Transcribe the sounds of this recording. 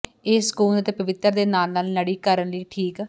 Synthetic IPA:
eːsə̥kuːlət̪eːpəʋɪt̪ːəɾd̪eːnaːlnaːlnəɽiːkəɾənləiːʈʰiːk

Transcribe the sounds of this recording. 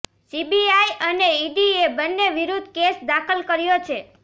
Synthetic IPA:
sibiajəneiɖiebənːeʋiɾud̪ʱkesd̪akʰəlkəɾjot͡ʃʰe

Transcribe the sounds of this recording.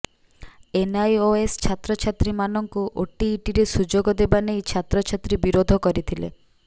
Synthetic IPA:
enajoest͡ʃʰat̪ɾɔt͡ʃʰat̪ɾimanɔŋkuʔoʈiːʈiɾesud͡ʒoɡɔd̪ebanejt͡ʃʰat̪ɾɔt͡ʃʰat̪ɾibiɾod̪ʱɔkɔɾit̪ʰilḛ

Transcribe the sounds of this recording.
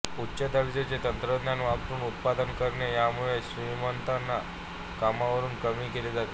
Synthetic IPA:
utːɕəd̪əɾd͡ʑet͡set̪ənt̪ɾəd̪njanʋapt̪uːnut̪̚pad̪ənkəɾɳjajamuɭeɕɾimənt̪anːa | kamaʋəɾuːnkəmiːkeled͡zat̪e

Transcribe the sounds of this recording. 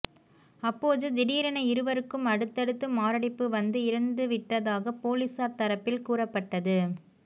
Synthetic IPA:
ɐpːoːðɯd̪ɪɽiːɾɐɳɐɪɾɯʋɐɾɯkːɯmɐɽɯt̪ːɐɽɯt̪ːɯmaːɾɐɽɪpːɯʋɐnd̪ɯɪɾɯnd̪ɯʋɪʈːɐðaːɣɐpːoːlisaːɾt̪ɐɾɐpːɪlkuːrɐpːɐʈːɐðɯ

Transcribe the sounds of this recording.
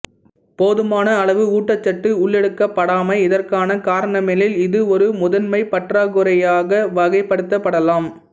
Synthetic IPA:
poːðɯmaːnɐːɭɐʋɯuːʈːɐt͡ʃːɐʈːɯʊɭːɛɽɯkːɐpːɐɽaːmɐɪɪðɐrkaːnɐkaːɾɐɳɐmeːlɪlɪðɯɔɾɯmʊðɐnmɐɪpɐʈraːɣɯɾɐjaːɣɐʋɐɣɐɪpːɐɽɯt̪ːɐpːɐɽɐlaːm

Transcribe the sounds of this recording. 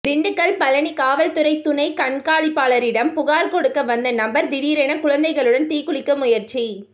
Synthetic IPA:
d̪ɪɳɖɯkːɐɭpɐlɐɳikaːʋɐlt̪ɯɾɐɪt̪ːʊnɐɪkɐɳkaːɭipːaːɭɐɾɪɽɐmpʊɣaːɾkɔɽɯkːɐʋɐnd̪ɐnɐmbɐɾd̪ɪɽiːɾɛnɐkʊɻɐnd̪ɐɪɣɐɭɯɽɐnt̪iːkʊɭɪkːɐmʊjɐɾt͡ʃi

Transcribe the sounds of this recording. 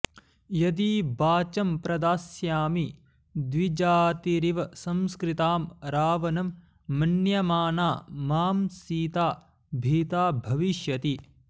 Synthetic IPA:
jɐd̪iːbaːt͡ʃɐmpɾɐd̪aːsjaːmi | d̪ʋid͡ʒaːt̪iɾiʋɐsɐmskɾit̪aːmɾaːʋɐnɐmː | ɐnjɐmaːnaːmaːmsiːt̪aː | bʱiːt̪aːbʱɐʋiʃjɐt̪i

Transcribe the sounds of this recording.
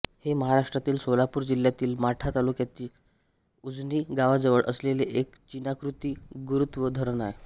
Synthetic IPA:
heməɦaɾaʂʈɾat̪iːlsolapuːɾd͡ʑilːjat̪iːlmaʈʰat̪alukjat̪iː | ud͡zniːɡaʋad͡zəʋəɭʔə̰sleleʔek | t͡ɕinakɾut̪iːɡuɾut̪ʋəd̪ʱəɾnaɾ

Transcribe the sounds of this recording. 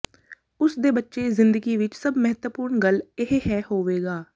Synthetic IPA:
ʊsd̪eːbətːʃeːzɪnd̪əɡiːʋɪt͡ʃsəbmɛɦət̪wəpʊːɾɳɡəlɪɦeːɦɛːhoːʋeːɡaː

